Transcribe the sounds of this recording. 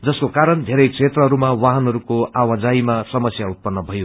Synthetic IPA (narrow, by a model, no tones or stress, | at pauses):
d͡zʌskokaɾʌnd̪ʱeɾʌjksʰet̪rʌɦʌɾumawaɦʌnɦʌɾukoawad͡zaimasʌmʌsjaut̪̚pʌnːʌbʱʌjo